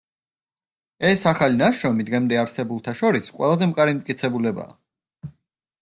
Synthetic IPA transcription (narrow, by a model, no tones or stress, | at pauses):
ɛsaχalinaʃɾɔmid̪ɡɛmd̪ɛaɾsɛbulˠt̪ʰaʃɔɾisqʼwɛlˠazɛmkʼaɾimt̪ʼkʼit̪sʰɛbulɛba̰ː